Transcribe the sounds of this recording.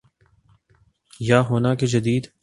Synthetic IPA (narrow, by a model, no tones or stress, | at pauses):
jaːɦoːnaked͡ʒɐd̪iːd̪